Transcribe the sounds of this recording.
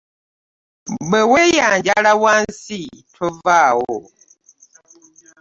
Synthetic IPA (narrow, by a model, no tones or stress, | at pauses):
ɡ͡bɛwɛjaɲd͡ʒaɺawansitʰovawo